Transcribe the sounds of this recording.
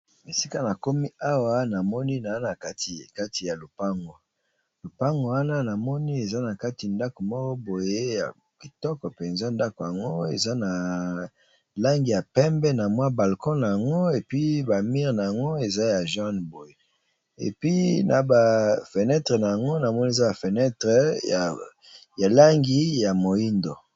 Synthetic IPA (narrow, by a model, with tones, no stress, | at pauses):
e˨si˦ka˦na˨ko˦mi˦a˦wa˦na˨mɔ˦ni˦na˨˦na˨ka˦ti˨ka˦ti˨ja˨lo˨pa˦ŋɡo˨ | lo˨pa˦ŋɡo˨wa˦na˦na˨mɔ˦ni˦e˨za˦na˨ka˦ti˨nda˦ko˨mɔ˦kɔ˦bo˨je˦ja̰˨ | ki˨tɔ˦kɔ˨pe˨nza˦nda˦ko˨ja˨ŋɡo˦ḛ˨za˦na˨ | la˦ŋɡi˨ja˨pɛ˦mbɛ˦na˨mwa˦ba˨lkɔ˦na˨ja˨ŋɡo˦e˨pi˦ba˨mi˦ʁna˨ja˨ŋɡo˦e˨za˦ja˨ʒa˦nbo˨je˦ | ḛ˨pi˦na˨ba˨fe˨nɛ˦tʁe˨na˨ja˨ŋɡo˦na˨mɔ˦ni˦e˨za˦ja˨fe˨nɛ˦tʁɛ˨a˨ | ja˨la˦ŋɡi˦ja˨mo˨i˦ndo̰˨